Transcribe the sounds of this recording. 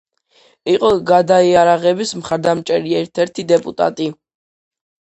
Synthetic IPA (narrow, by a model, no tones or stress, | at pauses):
iqʼɔɡad̪aiaɾaʁɛbismχaɾd̪amt͡ʃʼɛɾiɛɾt̪ʰɛɾt̪ʰid̪ɛpʼut̪ʼa̰t̪ʼi